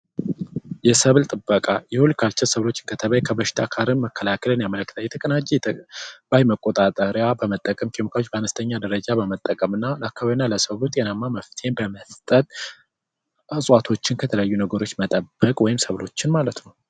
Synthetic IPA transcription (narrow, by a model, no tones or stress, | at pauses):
jɛsəβlt̪ʼɨbːəkʼajɛhulkʰat͡ʃːɪnsəβlo̞t͡ʃːɪ̥nkʰət̪ʰəβəjkʰəbəʃɪ̥t̪ʰakʰaɾɨnməkʰːəlakʰəlɨnjamələkːɨt̪ʰəjɛt̪ʰəkʼənat͡ʃːi | b̥ajməkʼːo̞t̪ʼat̪ʼəɾjabəmət̪ʼːəkʼəmkʰʼemikʰawot͡ʃːbəanəst̪ʰəɲːad̪əɾəd͡ʒabəmət̪ʼːəkʼəmɨnːaləakːaβaβinːaləsəβlut̪ʼjɛnamːaməft̪ʰe̞nbəməst̪ʼət̪ʼ | ɨsʼwat̪ʰo̞t͡ʃːɪnkʰət̪ʰələjajːunəɡəɾo̞t͡ʃːmət̪ʼəbːəkʼwɔjɪmsəβlo̞t͡ʃːɪnmalət̪nəw